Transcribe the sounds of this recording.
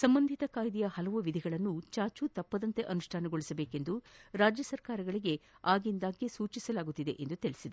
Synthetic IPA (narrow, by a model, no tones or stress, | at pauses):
sɐmbɐnd̪ʱit̪ɐkaːjd̪ijɐhɐlɐʋuʋid̪ʱiɡɐɭɐnːut͡ʃaːt͡ʃut̪ɐpːɐd̪ɐnt̪e̞ʔɐnuʂʈʰaːnɐɡoɭisɐbeːke̞nd̪uɾaːd͡ʒjɐsɐɾkaːɾɐɡɐɭiɡe̞aːɡind̪aːɡisuːt͡ʃisɐlaːɡut̪ːid̪e̞ʔend̪ut̪ilisid̪e